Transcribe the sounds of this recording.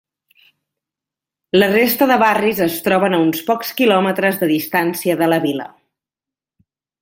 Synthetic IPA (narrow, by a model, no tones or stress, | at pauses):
lərest̪əðəβarizəst̪ɾɔβənəunspɔkskilɔmət̪ɾəzðəðist̪ansiəðələβilə̰